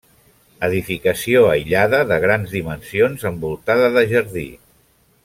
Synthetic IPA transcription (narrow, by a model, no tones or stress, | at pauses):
əðifikəsioəjʎaðəðəɣ̞ɾanzðimənsionzəmbulˠt̪aðəðəʒəɾðḭ